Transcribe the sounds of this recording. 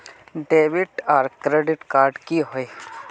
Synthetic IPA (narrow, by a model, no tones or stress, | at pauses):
ɖeːʋiʈaːɾkɾeɖɪʈkaːɾɖkiɦoe